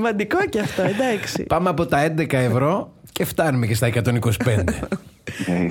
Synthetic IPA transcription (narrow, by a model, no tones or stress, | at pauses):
mɐnd̪iko̞ceɐft̪oed̪ɐksḭpɐmeɐpo̞t̪ɐe̞nd̪e̞kɐe̞vɾo̞ce̞ft̪ɐnumece̞st̪ɐekɐt̪o̞niko̞si̥pe̞nd̪e